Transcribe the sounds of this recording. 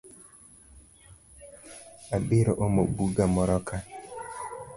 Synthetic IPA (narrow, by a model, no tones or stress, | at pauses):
abɪɾɔʔomobuɡamɔɾɔkʰa